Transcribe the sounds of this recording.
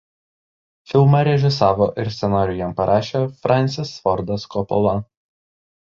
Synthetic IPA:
fʲɪlˠmɐɾʲɛʒʲɪsɑːʋoʔɪɾsʲsʲɛnɑːɾʲʊjɛmpɐɾʔɑːʃʲeːfɾʔɑnʲt̪ʲɪsfɔɾd̪ɐskɔpɔ̰lˠɐ

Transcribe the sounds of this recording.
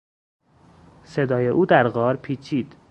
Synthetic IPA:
sed̪ɒːjeʔuːd̪æɾɣɒːɾpʰiːt͡ʃʰiːd̪̥

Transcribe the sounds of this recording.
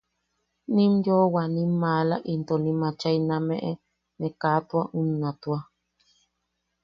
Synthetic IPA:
nĩmjowanĩmːaːlaʔint̪onĩmãt͡ʃainãmẽʔe | nekaːt̪waʔunːãt̪ua

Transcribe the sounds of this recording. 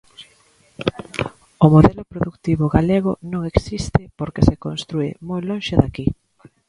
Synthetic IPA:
ʊmoðɛlʊpɾoðukt̪iβʊɣaleɣ̞ʊnõŋeksist̪ɪpoɾkesekonst̪ɾuḛmojlõŋʃeðaki

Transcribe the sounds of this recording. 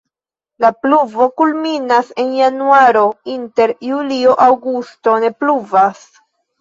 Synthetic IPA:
lapluvo̞kulminase̞njanuaɾo̞inte̞ɾjulioʔawɡusto̞ne̞pluvas

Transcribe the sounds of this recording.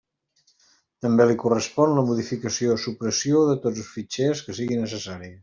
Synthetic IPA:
t̪əmbelikurəspɔnləmuðifikəsiosupɾəsioðət̪od͡zəsfit͡ʃeskəsiɣinəsəsaɾiə

